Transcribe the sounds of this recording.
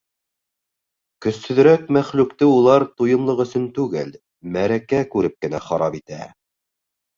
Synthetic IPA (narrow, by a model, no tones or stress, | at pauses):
kɵ̆sːɵ̆ð̆ɾækmæχlʉkt̪ɘulˠɑɾt̪ujɤ̆mlˠɤqɵ̆sɵnt̪ʉɡɘl | mæɾækækʉɾɘp̚kɘ̆næχɑɾɑpit̪æ̰